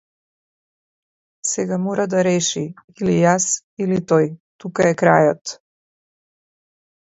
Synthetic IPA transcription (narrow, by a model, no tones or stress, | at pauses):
sɛɡamɔɾad̪aɾɛʃiilijas | ilit̪ɔjt̪ukaɛkɾajɔt̪